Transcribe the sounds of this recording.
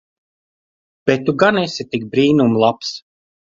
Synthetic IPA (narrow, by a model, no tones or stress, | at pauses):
b̥et̪ːuɡanɛsʲit̪ik̚bɾiːnumlˠaps